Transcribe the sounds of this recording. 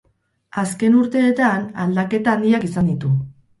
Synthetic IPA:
aske̞nuɾt̪e̞ːt̪ana̰ld̪ake̞t̪aːnd̪iakisand̪it̪u

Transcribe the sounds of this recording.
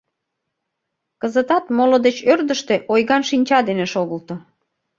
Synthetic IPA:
kəzət̪ɑt̪molod̪et͡ɕørd̪əʃt̪eʔojɣɑnʃinʲt͡ɕɑd̪eneʃoɣəlt̪o

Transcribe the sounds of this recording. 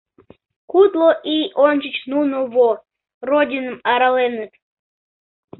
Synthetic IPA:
kut̪lˠoʔionʲt͡ɕət͡ɕnunovo | rodʲinəmɑɾɑlenət̪

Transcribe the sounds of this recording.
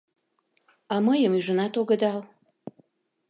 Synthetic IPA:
ɑməjəmyʒənɑt̪oɣəd̪ɑl

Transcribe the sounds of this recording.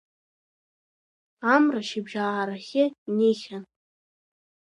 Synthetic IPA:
amraʃibʒaːɾaχʲɪneχʲan

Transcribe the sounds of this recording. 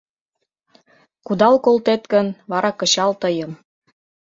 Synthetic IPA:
kud̪ɑlkolt̪et̪kə̆nβɑɾɑkɤ̆t͡ɕɑlt̪ɤjɤ̆m

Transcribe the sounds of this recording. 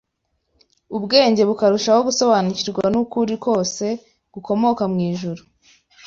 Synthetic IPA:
ubɡe̞ːɲɟe̞βukaɾuʃaho̞ɡuso̞βaniciɾɡwanukuɾiko̞ːse̞ | ɡ̥uko̞mo̞kamŋiːʒuɾu

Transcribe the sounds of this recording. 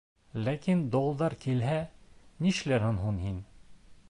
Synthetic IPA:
lækind̪olˠd̪ɑɾkilɦæniʃlæɾhɘnɦunhin

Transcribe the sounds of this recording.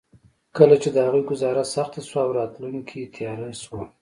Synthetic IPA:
kəlat͡ʃed̪əhaɣujɡʊzɑɾasaxt̪aswaːwɾɑt̪luŋkʰit̪ʰjɑɾaswa

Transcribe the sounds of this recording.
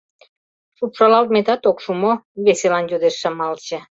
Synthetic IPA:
ʂupʂɑlɑlt̪̚met̪ɑt̪okʃumoβeselɑnjod̪eʃːəmɑlt͡ɕə̆

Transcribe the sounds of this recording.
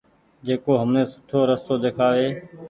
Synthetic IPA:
d͡ʒeːkoːɦəmnẽːsʊ̥ʈʰoːɾəst̪oːd̪eːkʰaːʋeː

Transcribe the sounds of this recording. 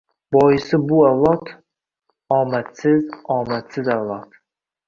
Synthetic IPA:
bɒjɪsɪbʊavlˠɑt̪ʰ | ɒːmæt̪sɪzɒːmæt̪sɪzavlˠɑt̪

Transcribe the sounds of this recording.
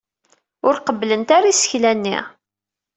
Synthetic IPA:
ʊɾqəblənt̪aɾisə̥çlænːḭʁ

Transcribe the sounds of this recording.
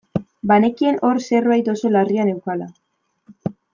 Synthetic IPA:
bane̞kie̞no̞ɾse̞rβajt̪o̞so̞lariane̞wkala

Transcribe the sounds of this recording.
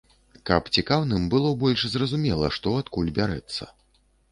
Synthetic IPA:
kɐpt͡sʲikawnɨmbɨlˠɔbɔlʲʂzrɐzumʲɛlˠɐ̰ʂt̪ɔat̪kulʲbʲaɾɛ̰t̪sːɐ̰

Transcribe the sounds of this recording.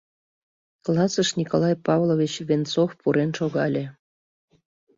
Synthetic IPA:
klˠɑsəʃnʲikolˠɑjpɑvlˠovʲit͡ɕvʲent͡sofpuɾenʃoɣɑlʲe

